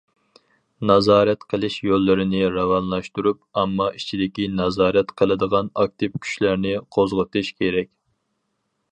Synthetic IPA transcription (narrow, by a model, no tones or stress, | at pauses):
nɑzɑːɾɛt̪qʰəlˠɨʃjolˠːɨɾɪnɪɾɑwɑnlˠɑʃt̪uɾup̚ɑmːɑit͡ʃʰid̪ɪkʲinɑzɑːɾɛt̪qʰəlˠɨd̪əʁɑnɑk̚t̪ɨpkʲʰy̥ʃlæɾnɪqʰozʁət̪ɨʃkʲʰeɾɛkʲ